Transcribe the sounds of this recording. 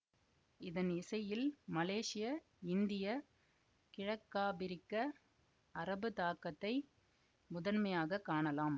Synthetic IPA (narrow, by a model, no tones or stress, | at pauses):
ɪðɐnɪsɐjɪlmɐleːʂɪjɐ | ɪnd̪ɪjɐ | kɪɻɐkːaːbɪɾɪkːɐ | ɐɾɐbɯt̪aːkɐt̪ːɐɪ | mʊðɐnmɐjaːɣɐkːaːɳɐlaːm